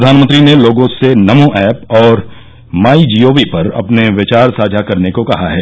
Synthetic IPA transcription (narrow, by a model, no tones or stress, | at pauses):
d̪ʱaːnmə̃nt̪ɾineloːɡõsenɐmõʔɛːpɔːɾ | maːid͡ʒiːoːʋipɐɾɐ̰pneʋɪt͡ʃaːɾsaːd͡ʒʱakɐɾnekokɐɦaɦɛː